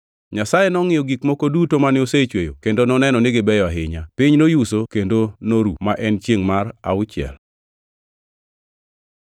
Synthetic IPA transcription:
ɲasajenɔŋɪjɔɡikmokodutomanɪoset͡ʃwejo̰kendonɔnɛnɔnɪɡɪbɛjɔaɦɪɲapɪɲnojusokendonoɾṵmaʔɛnt͡ʃjeŋmaɾa̰ʊt͡ʃɪɛ̰l

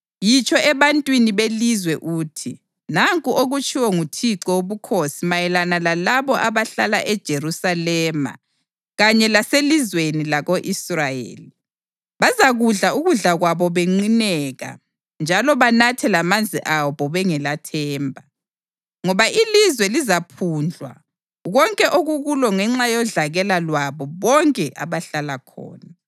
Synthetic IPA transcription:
jit͡ʃʼɔɛβantʼwiniβelizwɛʔuːtʰi | naŋkʼuʔoɣut͡ʃʼiwɔŋutʰiǀɔoβukʰosimajɛlanalalaβɔʔaβaɬala̰ʔɛd̥ʒ̥ʱerusalɛːma̰ | ɣaɲɛlaselizwenilaɣoʔisrajḛːli | βazaɣuɮauɣuɮaɣwaβɔβeŋ͡ǀinɛɣa̰ | nd͡ʒʱalɔβanatʰɛlamand͡zʱiʔaβɔβɛŋɛlatʰɛːmbʱa | ŋɔβaʔilizwɛlizapʰuːnd͡ɮʱwa̰ | ɣɔŋkʼɛʔoɣuɣulɔŋɛŋ͡ǁajɔɮaɣɛlalwaβɔβɔŋkʼɛʔaβaɬalakʰɔ̰ːna

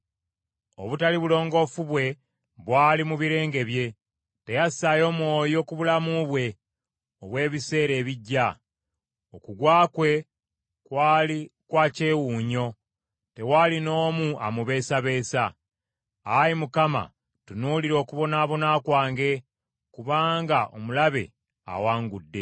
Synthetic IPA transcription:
o̞̰βutaliβulo̞ːŋɡo̞fuβwe̞ | βwaːlimuβiɾe̞ːŋɡe̞βje̞ | te̞jasajo̞ːmwo̞ːjo̞kuβulamuβwe̞ | oβwe̞ːβise̞ːɾe̞ːβiɟːa | o̞kuɡwaːkwe̞ | kwaːlikwaːce̞ːwuːɲo̞ | te̞waːlino̞ːmuʔa̰muβe̞ːsaβe̞ːsa | ajimukama̰ | tunuliɾo̞ːkuβo̞naːβo̞naːkwaːŋɡe̞ | kuβaːŋɡaʔo̞̰mulaβe̞̰ | a̰waːŋɡudːe̞̰

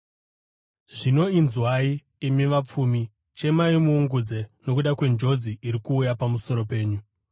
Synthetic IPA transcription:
ʐino̞inzwai | imiʋap͡fumi | t͡ʃe̞maimuːŋɡud͡ze̞no̞kuɗakwe̞nd͡ʒo̞d͡ziʔiɾikuːjapamuso̞ɾo̞pe̞ːɲu

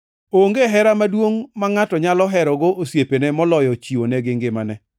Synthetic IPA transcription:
oŋɡeɦɛɾamadwoŋmaŋatɔɲalɔɦɛɾɔɡoʔosjepenɛmɔlɔjɔt͡ʃiwonɛɡɪŋɡɪmanɛ

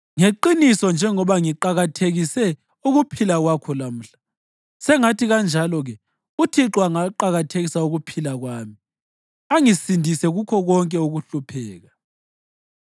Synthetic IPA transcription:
ŋeǃinisɔnd͡ʒʱɛŋɔβaŋiǃaɣatʰeɣisɛ | uɣupʰilaɣwakʰɔlam̩ɬḁ | sɛŋatiɣand͡ʒʱalɔɣɛ | utʰiǁwaŋaǃaɣatʰeɣisauɣupʰilaɣwaːmi | aŋisindʱisɛɣukʰɔɣɔŋkʼɛuɣuɬupʰɛːɣa

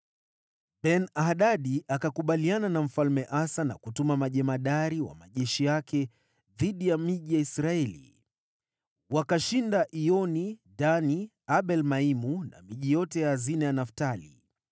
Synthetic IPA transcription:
ɓɛnahɗaɗiʔakakuɓaliananam̩falmɛʔasana̰kutumamaʄɛmaɗaɾiwa̰maʄɛʃijakɛ | ðiɗijamiʄijaisɾaɛlḭ | wakaʃindaʔiɔniɗani | aɓɛlmaimuna̰miʄijɔtɛjaazinajanaftalḭ

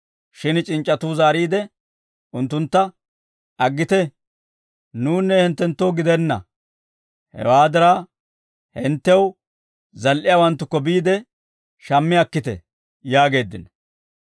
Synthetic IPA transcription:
ʃɪnt͡ʃʼɪnt͡ʃʼːɐt̪uːzaːɾiːd̪ɛ | ʔʊnt̪ːʊnt̪ːɐ | ɐɡːɪt̪ɛ | nuːnːɛhɛnt̪ːɛnt̪ːowɡɪd̪ɛnːɐ̰ | hɛ̰waːd̪ɐɾaː | hɪnt̪ːɛw | zɐlʔɪjawɐnt̪ːʊkːɔbiːd̪ɛ | ʃɐmːɪɐkːɪt̪ɛ̰ | jaːɡe̞ːd̪ːɪnɐ

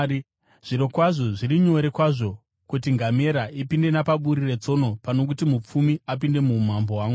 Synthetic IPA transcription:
ʐ̥iɾo̞kwaʐo̞ʐiriɲo̞ɾe̞kwaʐo̞ | kutiŋɡame̞ɾaʔipinde̞napaɓuɾire̞t͡so̞no̞pano̞k̬utimup͡fumiap̬inde̞mum̤ambo̞ɦwaːŋɡu

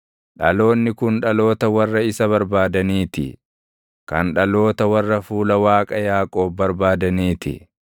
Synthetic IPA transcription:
ᶑɐlo̞ːnːɪkʊnᶑɐlo̞ːt̪ɐwɐrːɐɪsɐβɐɾbaːd̪ɐniːt̪ɪ̰ | kɐnᶑɐlo̞ːt̪ɐwɐrːɐfuːlɐwaːkʼɐjaːkʼoːbːɐɾbaːd̪ɐniːt̪ɪ̰

